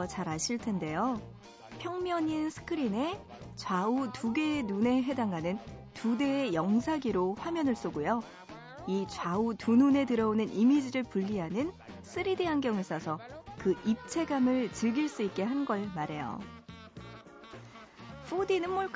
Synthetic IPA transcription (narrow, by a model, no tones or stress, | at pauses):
t͡ɕaɾɦaɕʰiɭtʰe̞nde̞jo | pʰjʌŋmjʌɲinsʰɯ̥kʰɯɾine̞ | t͡ɕwautuɡenune̞ɦe̞daŋɦanɯntude̞ːjʌŋsʰaɡiɾoɸwamjʌnɯɭs͈oɡojo | it͡ɕwautunune̞tɯɾʌonɯnʔimid͡ʑiɾɯɭpuʎːiɦanɯn | s͈ʰɯɾidiɦanɡjʌŋes͈ʌsʰʌkɯʔip̚t͡ɕʰe̞ɡamɯɭt͡ɕɯɭɡiɭs͈uik̚k͈e̞ɦanɡʌɭmaɾe̞jo̰ | ɸʰudinɯnmoɭk